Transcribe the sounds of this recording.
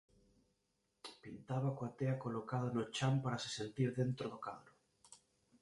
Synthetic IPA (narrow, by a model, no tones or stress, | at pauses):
pint̪aβakwat̪eakolokaðonot͡ʃampaɾase̥sent̪iɾðent̪ɾoðʊka̰ðɾʊ